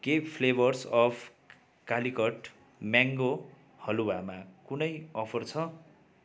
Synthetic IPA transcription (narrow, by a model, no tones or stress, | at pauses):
ɡepʰlebʌrsʌpʰ | kalikʌʈ | mjaŋɡo | hʌluwamakunʌjʌpʰʌrt͡sʰʌ